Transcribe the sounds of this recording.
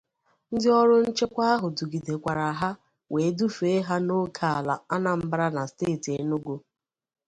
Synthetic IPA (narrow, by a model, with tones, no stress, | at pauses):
n̩˦dɪ˦ɔ˦ɾʊ˦n̩˦t͡ʃe˦kʷa˦a˦ɦʊ˨du˨ɡi˨de˨kʷa˨ɾa˨ɦa˦ | wʔe˨˦du˦fe˦ɦa˦no˦kʰa˨a˨la̰˨a˦na˨m̩˦bɾa˦na˨steː˦˨ti˨e˨no˦ɡo˦